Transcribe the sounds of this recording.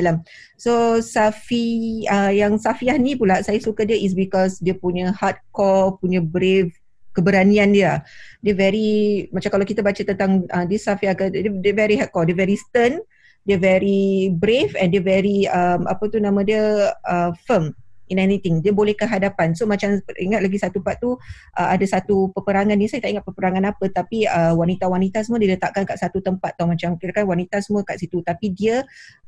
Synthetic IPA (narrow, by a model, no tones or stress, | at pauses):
alam | sosafiəjaŋsafiahnĩpulasajasukadiəʔis̬bikɔsdiəpuɲəhat̪̚kɔpuɲəbɾev | kəbəɾaniandiədiəvɛɾimãt͡ʃamkalawkit̪abat͡ʃət̪ənt̪aŋʔədəsafiahkəədəvɛɾiɦat̚kɔdiəvɛɾist̪ən | dəvɛɹibɾefɛndiəvɛɾiəmʔa̰pət̪unãmãdiəəfəminɛnit̪ɪŋdiəbolɛhkəɦadapansomãt͡ʃamiŋat̪̚laɡisat̪upat̪̚ːu | ʔəadasat̪upəpəɾaŋãnːisajət̪aʔiŋat̪̚pəpəɾaŋanapət̪apiəwanit̪awanit̪asəmuədiələt̪aʔ̚kankaʔsat̪ut̪əmpat̪̚ːɔmãt͡ʃamkiɾakanwanit̪asəmuəkaʔsit̪ut̪apidiə